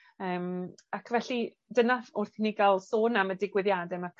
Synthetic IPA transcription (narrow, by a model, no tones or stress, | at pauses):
əːmakʰvɛɬi | dənaʊrθiniɡalˠsoːnamədɪɡwɪðjadɛmakʰ